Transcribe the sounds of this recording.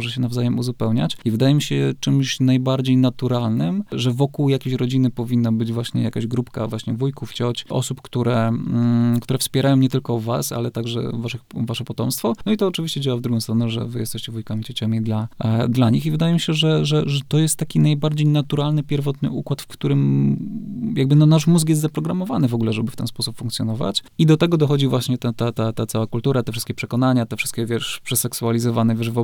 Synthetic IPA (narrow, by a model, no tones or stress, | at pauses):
mɔʐɛɕ̬ɛnavzajɛmuzupɛwɲa̰t͡ɕivɘd̪ajɛmʲiɕɛt͡ʂɘmɕnajbaɾd͡ʑejnat̪uɾalnɘmʐɛvɔkuwjakʲeɕɾɔd͡ʑinɘpɔvʲinːabɘd͡ʑvwaɕɲɛ̰jakaʑɡɾupka̰vwaɕɲɛvujkuft͡ɕɔt͡ɕʔɔ̰supkt̪uɾɛ | kt̪uɾɛfspʲɛɾajɔ̃ɲɛt̪ɘlkɔva̰sa̰lɛt̪aɡʐɛ̰vaʂɨxvaʂɛpɔt̪ɔmst̪fɔnɔit̪ɔːt͡ʂɨvʲiɕt͡ɕɛd͡ʑawavd̪ɾuɡɔw̃st̪ɾɔnɛʐɛ̰vɘjɛ̰st̪ɛɕt͡ɕɛvujkamʲit͡ɕɔt͡ɕamʲid̪lad̪laɲixivɘd̪ajɛmʲiɕɛʐɛʐɛʐɛt̪ɔjɛst̪ːakʲinajbaɾd͡ʑejnat̪uɾalnɘpʲjɛɾvɔt̪nɘ̰ʔukwat̪fkt̪uɾɘm | jaɡ̚bɘnɔnaʂmuzkjɛs̬t̪zapɾɔɡɾamɔvanɘvɔɡulɛʐɛbɘft̪ɛ̰nspɔsupfuŋkt̪sʲjɔnɔva̰t͡ɕ | id̪ɔt̪ɛɡɔd̪ɔxɔd͡ʑivwaɕɲɛt̪ɛt̪at̪at̪at̪sawakult̪uɾat̪ɛfʂɘst̪̚kʲɛpʂɛkɔnaɲat̪ɛfʂɘst̪kʲɛvʲjɛʂpʂɛsɛksualʲizɔvanɛvʲjɛʂvɔ